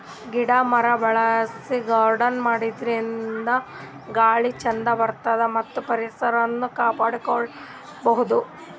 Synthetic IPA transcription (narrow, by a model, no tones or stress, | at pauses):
ɡiɽɐmɐɾɐbɐɭɐsiɡɐːɾɖɐnmaːɽid̪ɾind̪ɐ | ɡaːɭit͡ʃɐnd̪ɐbɐɾt̪aːd̪ɐmɐt̪ːupɐɾisɐɾɐnːukaːpaːɽukoɭ | bɐɦud̪u